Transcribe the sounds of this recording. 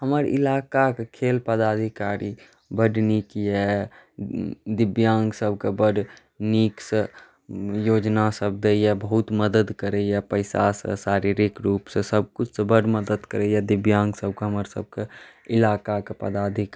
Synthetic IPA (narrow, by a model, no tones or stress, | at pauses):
ɦəməɾɪ̰laːkakekʰeːlpəd̪aːd̪ʱikaɾi | bəɖnikiɛ | d̪ɪbjãːŋɡsəb̚ʱkebəɖ | nikse | joːd͡ʒnasəb̚d̪eiɛbəɦʊt̪məd̪əd̪kəɾəiɛpəɪsa̰sə̰saːɾiɾikɾuːpsesəb̚kʊt͡ʃʰsebəɖməd̪əd̪kəɾejɛd̪ɪbjãːŋɡsəb̚keɦəməɾsə̰b̚ke | ɪlaːkakepə̰d̪aːd̪ʱik